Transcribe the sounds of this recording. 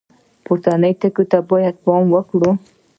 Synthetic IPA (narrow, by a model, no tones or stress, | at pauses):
pʊɾt̪anəjt̪əkut̪abojad̪̚pɑmwəkɽu